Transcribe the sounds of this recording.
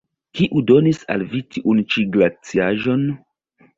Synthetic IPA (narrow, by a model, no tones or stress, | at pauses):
kiʔudo̞nisa̰lvitiʔunt͡ʃiɡlat͡siaʒo̞n